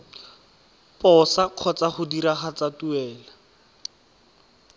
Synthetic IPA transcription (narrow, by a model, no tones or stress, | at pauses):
pɔsaq͡χʰɔt͡saχʊdiɾaχat͡satuɛːla